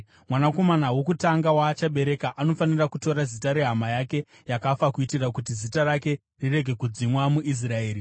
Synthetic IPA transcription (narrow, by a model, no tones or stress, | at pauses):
mwanako̞manawo̞kutaŋɡawaːt͡ʃaɓe̞ɾe̞kaʔano̞fanirakuto̞ɾazitaɾe̞ɦamajake̞ | jakafakuitirakut̬izitaɾake̞ | rire̞ɡʱe̞kud͡zimwamuʔis̬rae̞ːɾi